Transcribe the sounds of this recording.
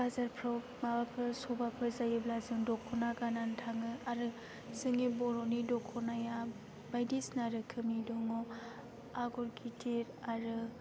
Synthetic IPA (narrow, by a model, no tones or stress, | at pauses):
bazaɾpʰɾaw | mabapʰɯsɔbapʰɯzajɯblazɯŋdɔkʰɔnaɡanantʰaŋɯaɾɯ | zɯŋibɔɾonidɔkʰɔnaja | bajdisnaɾɯkʰɯmidɔŋɔ | aɡɔɾɡʰitʰeɾaɾɯ